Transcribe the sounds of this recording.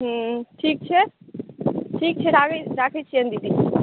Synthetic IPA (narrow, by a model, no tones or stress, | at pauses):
ɦə̃ʈʰik̚t͡ʃʰɛ | ʈʰik̚t͡ʃʰɛɾaɡɾakʰɛt͡ʃʰiə̃nd̪id̪i